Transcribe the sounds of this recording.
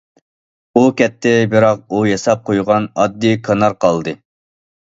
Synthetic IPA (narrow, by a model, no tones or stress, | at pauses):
ukʲɛt̪ʰːɪbɪɾɑq̚ujɑsɑp̚qʰojʁɑnɑd̪ːikʰɑnɑɾqʰɑlˠd̪ɨ